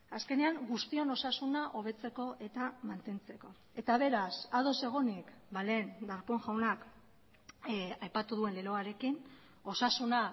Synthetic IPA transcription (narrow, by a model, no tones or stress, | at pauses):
aske̞ne̞aŋɡust̪io̞no̞sasunaʔo̞β̞e̞t͡se̞ko̞ʔe̞t̪amant̪e̞nt͡se̞ko̞ | e̞t̪aβ̞e̞ɾasað̞o̞se̞ɣ̞onikbale̞ːnd̪aɾpo̞ŋʝawnak | ajpat̪uðue̞nleɾo̞aɾe̞kin | o̞sasuna